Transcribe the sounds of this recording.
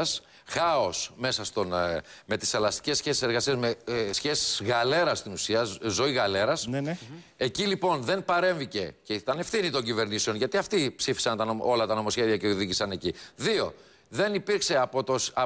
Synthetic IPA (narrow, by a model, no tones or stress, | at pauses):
s | xɐo̞sme̞sɐst̪o̞nme̞t̪i̥sθelɐst̪i̥ce̞sçe̞si̥se̞ɾɣɐsiezmesçe̞si̥sɣɐle̞ɾɐst̪inusiɐzo̞iɣɐle̞ɾɐsne̞cilipo̞nðe̞npɐɾe̞ɱvice̞ceit̪ɐne̞fθinit̪o̞ɲɟive̞ɾnise̞o̞nʝɐt̪iɐft̪ipsifi̥sɐnt̪ɐnoo̞lɐt̪ɐno̞mo̞sçe̞ðiɐceoðiʝisɐne̞ciðio̞̰ | ðe̞nipiɾkse̞ɐpot̪os